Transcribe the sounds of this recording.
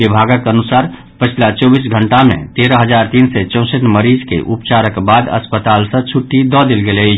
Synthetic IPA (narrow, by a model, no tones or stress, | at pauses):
ɪbʱaːɡəkənʊsaːɾ | pət͡ʃʰlat͡ʃɔːbiːs̬ɡʱə̃ɳʈamḛ̃t̪eːɾəɦəzaːɾt̪iːnset͡ʃə̃ʊ̃səʈməɾiːzkḛʔupt͡ʃaːɾəkbaːd̪ə̰spət̪aːlsə̃t͡ʃʰʊʈːid̪ɔd̪ɪlɡele